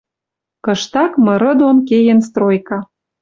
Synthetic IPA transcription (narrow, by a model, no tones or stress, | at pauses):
kɤ̆ʃt̪ɑkmɤ̆ɾɤ̆d̪onkejĕnst̪rojkɑ